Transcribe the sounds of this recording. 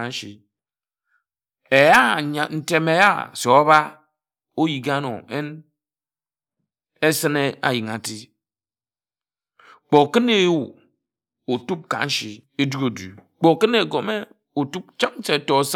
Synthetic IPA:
n̩˦ʃi˨ | e˨ja˦˨ɲa˨n̩˦te˦me˨ja˦˨so˨a˦ba˦ | o˦ji˨ɡa˦no̰˨e˦n | e˦sɨ˦ne˦a̰˨ji˨ŋa˨ti˦ | k͡po˨kɨ˦ne˦wu˨ | o˨tu˦p̚ka̰˨˦n̩˦ʃi˨e˦du˦ɡo˨dṵ˨ | k͡po˨kɨ˦ne˨ɡo˨me˦ | o˨tu˦p̚t͡ʃa˦k̚n̩˦t͡ʃe˨˦to˨s

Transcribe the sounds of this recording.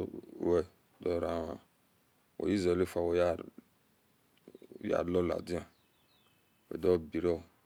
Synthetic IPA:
wɛ˨ | dɔ˦˨ɾa˨˦a̰˨ | o̰˨ji˦za˨le˦fa˨wo˨ja˦˨ | ja̰˦˨lɔ˦la̰˨dĩ˦ã˨ | wḛ˨dɔ˦bi˨ɾɛ˦ɔ˨

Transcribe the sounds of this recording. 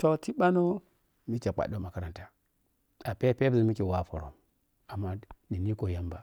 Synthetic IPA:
to˨ti˦ɓa˦no˦ | mi˦t͡ʃa˨k͡pa̰˨do˦ma˨ka˦ɾa˨nta˨ | a˨pe˦pe˦bzi˨mi˦ki˨wa˦˨fo̰˨ɾo̰˨m | a˨mːa˦ni˨ni˦ko˨ja˦mba˨

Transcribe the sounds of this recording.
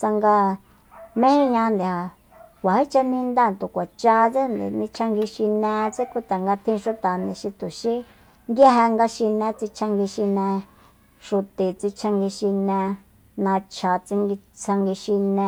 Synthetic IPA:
t͡sa˧ŋɡa˧ | mẽ˦hĩ˦ɲã˧nd̪i˨ha˨ | kʷa˨hi˦t͡ʃa˧nĩ˧nd̪a˦˨nt̪u˨kʷa˨t͡ʃa˧t͡se˦nd̪ḛ˨nĩ˧t͡ʃʰa˧ŋɡi˧ʃi˧nẽ˧t͡se˦ku˦t̪a˨ŋɡa˧t̪ʰĩ˧ʃu˧t̪a˨nĩ˨ʃĩ˧t̪u˨ʃi˦ | nɡ̪ja˦ɦa˧ŋɡa˧ʃi˧nẽ˧t͡si˧t͡ʃʰa˧ŋɡi˧ʃi˧nẽ˧ | ʃu˧t̪e˨t͡si˧t͡ʃʰa˧ŋɡi˧ʃi˧nẽ˧ | nã˧t͡ʃʰa˨t͡si˧ŋɡi˧t͡sʰa˧ŋɡi˧ʃi˧nẽ˧

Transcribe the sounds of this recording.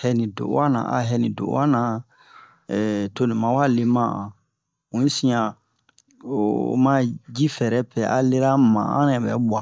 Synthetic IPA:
hɛ˦nĩ˨do̰˨˦a˦nã̰˨ʔa̰˨ɦɛ˦nĩ˨do̰˨˦a˦nã˨ | ɛ˨to˦nĩ˨mã˨wa˦le˦mã˦ã˨ | ũ˨˦i˦sĩ˦jã˨ | ma˦d͡ʒi˦fɛ˨ɾɛ˦pɛ˨ʔa̰˨le˦ɾa˦mã̰˨ã̰˦nɛ˨bɛ̰˦ba˨

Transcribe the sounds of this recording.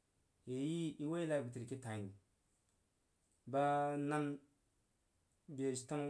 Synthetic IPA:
je˨ji˦i˦wo˦i˦la˦i˨bu˨ti˨ɾki˦tã˨ni˨ | ba˦na˦n | be˨sta˦m

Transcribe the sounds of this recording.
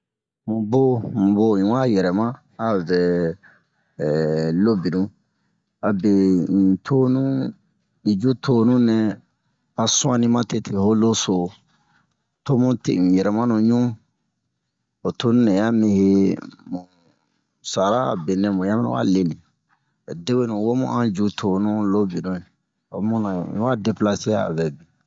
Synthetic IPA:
mũ˨bo˦mũ˨bo˦˨ĩ˨wa˦jɛ˨ɾɛ˨mã˦ | a˨vɛ˨ | lo˦bi˨nũ˦ | a˨be˨n̩˨tʰo˦nũ˦ | i˨d͡ʒu˦tʰo˦nũ˦nɛ̃˧ | a˨sũ˦ã˦nĩ˦mã˦te˦tʰe˨ho˦lo˦so˨ | to˦mũ˦tḛ˨n̩˨jɛ˨ɾɛ˨mã˦nũ˨ɲũ˦ | o˨to˦nũ˦nɛ˨ja˦mĩ˦he˦mũ˨ | sa˨ɾa˦a̰˨bɛ˨nɛ̃˦mũ˨ja˦mi˦na̰˦ʔa̰˦le˨nĩ˨ | de˦we˦nũ˨wo˦mṵ̃˦ʔã˦d͡ʒu˦tʰo˨nũ˦lo˦bi˨dõ˦e˨ | o̰˨˦mũ˦nã̰˨ḭ̃˦wa˦de˨pla˦se˦ja˦a̰˨bɛ˨bi˨

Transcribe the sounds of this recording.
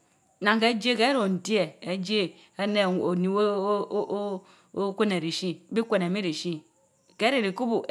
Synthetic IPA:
na˨ŋ˨ke˦d͡ʒe˦ke˦ɾo˨n̩˨ti˦e˨e˨d͡ʒe˦ | e˦ne˦˨o˨ni˨˦o˦ | kʷe˦ne˨ɾi˨ʃi˦bi˦kʷe˨ne˨mi˦ɾi˨ʃi˦ | ke˨˦ɾi˦˨ɾi˨ku˦bu˨

